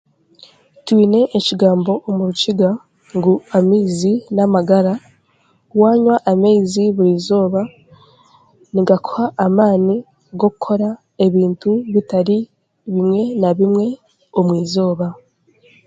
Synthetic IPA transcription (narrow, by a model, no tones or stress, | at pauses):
twiːne̞ʔːciɡaːmbo̞ʔomuɾuciɡa | ŋɡuamiːzinamaɡaɾa | waːɲwaʔameiziβuɾiːzo̞ːβa | niɡakʰohaʔːmaːni | ɡo̞kukʰo̞ɾa | e̞βiːntuβitaɾi | βimŋe̞naβimŋe̞ | omwiːzo̞ːβa